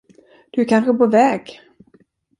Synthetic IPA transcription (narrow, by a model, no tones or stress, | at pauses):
d̪̥ɵæɾkʰanɧəpovɛːɡ